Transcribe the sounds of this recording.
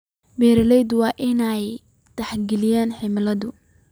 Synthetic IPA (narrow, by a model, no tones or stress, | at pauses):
bɛːɾɐlɛjd̪wɑːʔɪnɛj | t̪ɐħɡɛlɪjaːnħɪmɪlɐðʊ